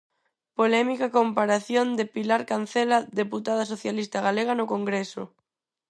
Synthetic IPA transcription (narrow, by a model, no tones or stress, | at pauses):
polɛmikakompaɾaθjond̪epilaɾkan̟θɛlaðeput̪að̞asoθjalist̪aɣaleɣ̞anʊkoŋɡɾesʊ̰